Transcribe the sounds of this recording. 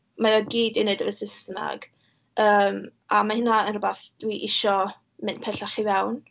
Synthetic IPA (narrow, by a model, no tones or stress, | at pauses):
maðɔɡiːdinədəvəsɪsna̰ɡ̥ | əːmamahɪnaənrʊbaθd̥wiʔɪʃɔ | mɨnpʰɛɬaχiwawn